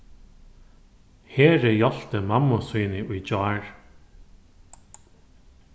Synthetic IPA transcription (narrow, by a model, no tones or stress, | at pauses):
heːɾɪjɔɬt̪əmamːʊsujnɪʔʊjt͡ɕɔːɹ